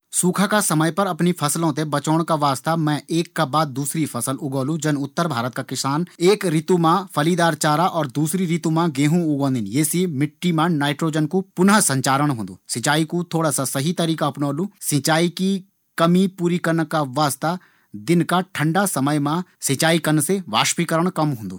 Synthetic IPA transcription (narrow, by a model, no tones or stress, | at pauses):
suːkʰakasɐməjpɐɾɐpnipʰɐslõt̪̬ebɐt͡ʃoːɽ̃kaʋaːst̪amɛ̃ʔeːkːabaːd̪̚ːuːsɾipʰɐsəlʊɡõːlũd͡ʒənʊt̪ːəɾbʱaːɾət̪̚kakɪsaːneːkɾɪt̪umãpʰɐliːd̪aːɾt͡ʃaːɾaʔɔːɾd̪uːsɾiɾɪt̪umãɡẽːɦũʊɡõːnd̪ɪnjeːsimɪʈːimãnaːɪʈɾoːd͡ʒənkupʊnɦsɐ̃ɲt͡ʃaːɾəɽɦõːnd̪ṵːsɪ̃t͡ʃaːikut̪ʰoːɽasasɐɦit̪ɐɾiːkaɐpnoːlũːsɪ̃t͡ʃaːiki | kɐmipuːɾikɐɾnkaʋaːst̪a | d̪ɪnkaʈʰə̃ɳɖasɐməjmãsɪ̃t͡ʃaːikənseʋa̰ːʃpikəɾəɽ̃kɐmɦõːnd̪ṵː